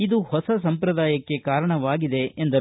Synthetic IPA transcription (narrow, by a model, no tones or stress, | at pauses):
id̪uhɔsɐs̬ɐmpɾɐd̪aːjɐkːe̞kaːɾɐɳɐʋaːɡid̪e̞end̪ɐ